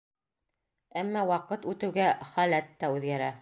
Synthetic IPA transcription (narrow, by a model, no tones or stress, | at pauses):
æmːɑwɑqɤt̪ʉt̪ɘ̆wɡæχælæt̪ːæʉðɡæɾæ